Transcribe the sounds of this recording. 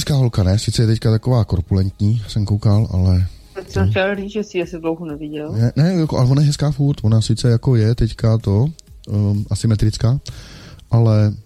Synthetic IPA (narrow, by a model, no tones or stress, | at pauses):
ɛskaːɦo̞lkanɛsɪt͡sɛjɛt̪ɛckat̪ako̞vaːkoɾpulɛnt̪ɲiːsɛmkowkalʔa̰lɛ | ɛsɛt͡ʃalɾid͡zʒɛsiasɪdlowɦunɛvɪɟɛlnɛnɛjakoʔa̰lɛvonajɛɦɛskaːfuːt̪vonasɪt͡sɛjakojɛt̪ɛckat̪o̞ | ʔasɪmɛt̪ɾɪt͡skaːʔalɛ